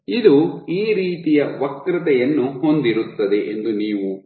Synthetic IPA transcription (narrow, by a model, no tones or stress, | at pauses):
id̪uiːɾiːt̪ijɐʋɐkɾit̪ɐjɐnːuho̞nd̪iɾut̪ːɐd̪e̞ʔend̪uniːʋu